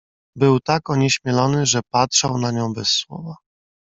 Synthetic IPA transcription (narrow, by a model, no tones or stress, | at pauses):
bɘwt̪akɔɲɛɕmʲjɛlɔnɘʐɛpatʂawnaɲɔ̃w̃bɛsːwɔ̰va